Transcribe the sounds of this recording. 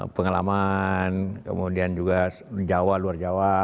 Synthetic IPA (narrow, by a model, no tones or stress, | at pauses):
pəŋala̰mankə̰mudiand͡ʒuɡa | d͡ʒawaluard͡ʒawa